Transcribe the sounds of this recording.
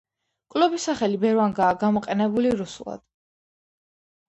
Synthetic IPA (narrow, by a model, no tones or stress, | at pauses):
kʼlɔbisaχɛlibɛɾvaŋɡaːɡamɔqʼɛnɛbuliɾusulˠa̰d̪̥